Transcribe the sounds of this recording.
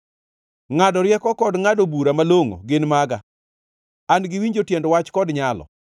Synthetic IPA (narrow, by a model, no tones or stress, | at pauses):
ŋadɔɾjɛkɔkɔdŋadobuɾamaloŋo̰ɡɪnmaɡa | anɡɪwiɲd͡ʒotjɛndwat͡ʃkɔdɲalɔ̰